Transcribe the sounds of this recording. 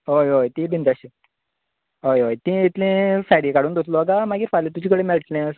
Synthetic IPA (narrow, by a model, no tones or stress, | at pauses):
ɦojojt̪ĩbʱind̪aɕi | ɦojɦojt̪ĩit̪lẽfaɾiekaɽuːnd̪ot̪loaɡamaɡiːɾfalẽt̪ud͡ʑikəɽemeɭʈlẽs